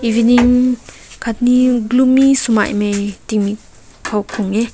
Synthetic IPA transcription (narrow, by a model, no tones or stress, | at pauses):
iviniŋkʰat̪̚niɡlumːisuma̰jmajtikmi | kʰawkʰɔŋe